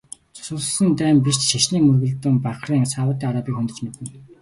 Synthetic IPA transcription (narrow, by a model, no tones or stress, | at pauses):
t͡sʰʊ̥sʊ̆ɮsə̆nt̪æːmpiʃt͡ɕʃaʃɮiːŋmɵrɣɘ̆ɮt̪ɵ̆mpaχriːŋsaːwə̆ːt̪ːiːŋaɾaːpʲiːkxɵnt̪ɵ̆t͡ɕmet̪ɘ̆n